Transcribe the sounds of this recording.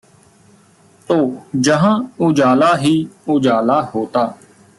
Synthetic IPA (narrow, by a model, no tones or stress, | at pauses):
t̪oːd͡ʒəɦãːʊd͡ʒaːlaːɦiːʊd͡ʒaːlaːhoːt̪aː